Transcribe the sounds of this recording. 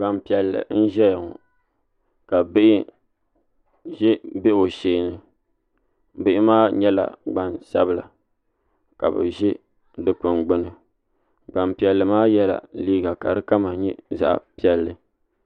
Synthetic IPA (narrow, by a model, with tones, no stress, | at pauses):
ɡ͡ba˨m˨pi˨ɛ˨lːɨ̰˨n̩˦ʒɛ˦ja˨ŋɔ̰˨ | ka˨bɨ˦ʔɪ˦ | ʒɛ˦be˦˨o˨ʃeː˨nɨ˨˦ | bɪ˦ʔɪ˦maː˦ɲɛ˦la̰˨ɡ͡ba˨nsa˦bɨ˦la̰˨ | ka̰˨bɨ̰˨ʒɛ˦ | dɨ˨pʊ˨nɡ͡bʊ˦nɨ˨ | ɡ͡ba˨mpi˨ɛ˨lːɨ˨maː˦jɛ˦la̰˨liː˦ɡa˨ka˨ɾɨ˦ka˦ma˨ɲɛ˦za̰˨ʔa̰˨pi˨ɛ˨lːɨ˨